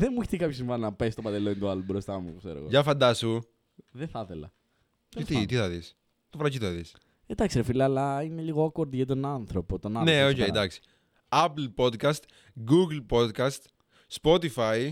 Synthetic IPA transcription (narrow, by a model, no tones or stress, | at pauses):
ðemːuiçe̥t̪ikɐpços̬iɱvɐnnɐpeist̪opɐd̪elont̪oɐlobɾost̪ɐmṵksḛɾoɣo̰ʝɐfɐnd̪ɐsu | ðeθɐθelɐ̰ | et̪it̪iθɐðis | t̪ofɾɐcit̪ɐðis | end̪ɐkseɾofilɐːlːɐineliɣoɐkoɾðiɐt̪o̞nɐnθɾo̞pot̪onɐneoejd̪ɐksi̥ | ɐpl̩po̞d̪kɐst̪ | ɡuɡlpod̪kɐst̪ | spot̪ifɐj